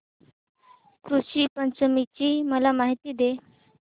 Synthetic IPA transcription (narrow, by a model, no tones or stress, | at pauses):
kɾuɕiːpənt͡səmit͡ɕiːməlamaɦit̪iːd̪e